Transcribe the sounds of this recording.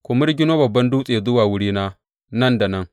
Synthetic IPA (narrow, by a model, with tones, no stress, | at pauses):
kʷʊ˨mʊ˦rɡʲɪ˦noː˦bɐ˨bːɐ˦nduː˦sʼeː˨zʊ˦waː˨wʊ˦ɽiː˦naː˦ | nɐ˦nda˨nɐ˦ŋ